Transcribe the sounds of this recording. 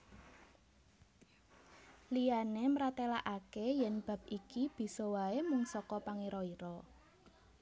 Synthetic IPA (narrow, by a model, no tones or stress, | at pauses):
lijanemɾat̪elaʔakejɛnb̥a̤p̚ikib̥i̤sɔwaemʊŋsɔkɔpaŋiɾɔiɾɔ